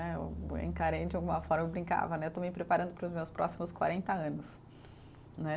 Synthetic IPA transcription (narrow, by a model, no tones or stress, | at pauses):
ɛḛwḛ̃ŋkaɾejd͡ʒɪawɡũmɐfɔɾmɐewbɾĩŋka̰vɐnɛewt̪omɪpɾepaɾɐ̃nd̪ʊpɾʊzmewspɾɔ̰simʊskwa̰ɾẽnt̪ɐɐ̃nʊs | nɛ